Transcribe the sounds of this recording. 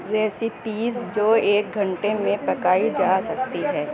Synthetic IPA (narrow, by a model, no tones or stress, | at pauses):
ɾɛːsɪpiːzd͡ʒoːeːk̚ɡʱɐ̃ɳʈemẽpɐkaːid͡ʒaːsɐk̚t̪iɦɛː